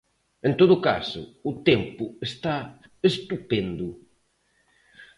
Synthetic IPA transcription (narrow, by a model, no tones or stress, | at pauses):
ẽnt̪oðʊka̰sʊ̰ʊt̪empʊest̪aest̪upend̪ʊ